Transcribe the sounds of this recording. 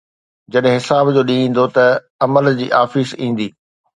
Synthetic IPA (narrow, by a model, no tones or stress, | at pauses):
d͡ʑɐɗɦɪ̃ɦɪsaːbd͡ʑoːɗĩĩːn̆d̪ot̪ɐ | ɐməld͡ʑḭːʔaːfizĩːn̆d̪iː